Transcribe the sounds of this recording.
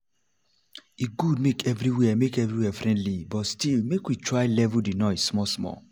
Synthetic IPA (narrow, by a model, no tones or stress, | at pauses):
iɡud̚mekɛvɾiwɛmekɛvɹiwɛfɹɛ̃ndlibɔtstilmekwitɹaɪlɛvudenɔɪssmɔsmɔ̰